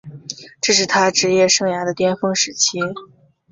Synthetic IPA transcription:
ʈ͡ʂɤ˥˧ʂɻ̩˥˩t̪ʰa˥ʈ͡ʂɻ̩˧˥jɛ˥˧ʂɤ˥˩ŋja˧˥d̪ə˧t̪jɛ˥nfɤ˥ŋʂɻ̩˧˥t͡ɕʰi˥

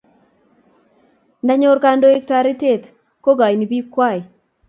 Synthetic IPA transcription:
na˦ɲo˦ɾka˦ndo˦e˦k̚ta˨ɾi˦te˦˨t̪ | ko˦ɡa˨jni˨bi˦kwa˦˨j

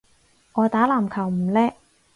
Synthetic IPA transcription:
ŋɔː˨˧t̪aː˨˥laː˨˩mkʰɐ˨˩wm̩˨˩lɛː˥

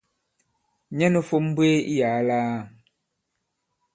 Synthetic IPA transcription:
ɲɛ˦nu˦fo˦m˦bwe˦i˦ja˨˦laː˦˨

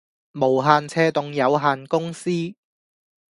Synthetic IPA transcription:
mo˨˩wɦaː˨˩nt͡sʰɛː˧t̪ʊ˨ŋjɐ˨˧wɦaː˨nkʊ˥ŋsiː˥

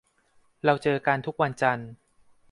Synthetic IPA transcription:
ɾa˧wt͡ɕɤː˧ka˧nt̪ʰu˦˥k̚wa˧nt͡ɕa˧n

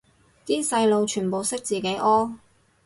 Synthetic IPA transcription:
t̪iː˥sɐ˧jlo˨˧wt͡ʃʰyː˨˩npo˨˧wsɪ˥k̚t͡siː˨ke˨˥jʔɔː˥

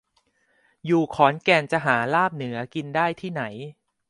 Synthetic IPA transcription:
juː˨˩kʰɔː˩˦nkɛː˧nt͡ɕa˨˩ʔɦaː˩˦laː˥˩p̚nɯ˩˦ɐki˧ndaː˥˩jt̪ʰiː˥˩na˩˦j

